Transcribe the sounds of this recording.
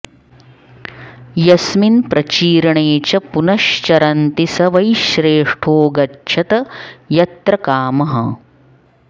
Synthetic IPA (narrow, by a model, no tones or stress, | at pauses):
jɐsminpɾɐt͡ʃiːɾɐɳeːt͡ʃɐpunɐʃt͡ʃɐɾɐnt̪isɐʋɐjʃɾeːʂʈʰoːɡɐtːt͡ʃʰɐt̪ɐjɐt̪ɾɐkaːmɐɦɐ̰